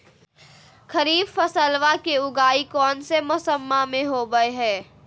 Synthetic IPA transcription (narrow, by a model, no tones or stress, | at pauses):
xɐɾiːbfɐsəlʋakeʊɡaːikɔːnsemʊsəmːamẽɦoɡəeɦɛː